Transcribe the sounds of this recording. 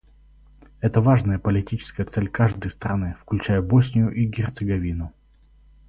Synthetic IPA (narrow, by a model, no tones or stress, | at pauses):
ɛt̪əvaʐnəjəpəlʲɪtʲit͡ɕɪ̥skəjət̪sɛlʲkaʐd̪əjst̪ɾɐnɨfklʲʉt͡ɕæjəbosʲnʲɪjʊʔiɡʲɪrt̪sɨɡɐvʲinʊ